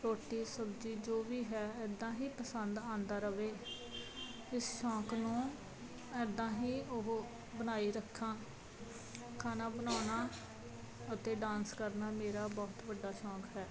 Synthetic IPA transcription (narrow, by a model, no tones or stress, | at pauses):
ɾoːʈiːsəbd͡ʒiːd͡ʒoːʋiːɦɛːɛːd̪ːãːɦiːpəsənd̪ãːnd̪aːɾəʋeː | ɪsʃɔ̃ːknũː | ɛːd̪ːãːɦiːʊɦ | bənaːiːɾəkʰːãː | kʰaːnaːbənaːnaː | ət̪eːɖãːnskəɾnaːmeːɾaːbɔːt̪ʋəɖːaːʃɔ̃ːkɦɛː